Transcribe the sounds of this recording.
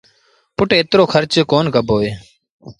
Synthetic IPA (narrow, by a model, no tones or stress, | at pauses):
pʊʈeːt̪ɾoːkʰəɾt͡ʃkoːnkəbʱɦoːeː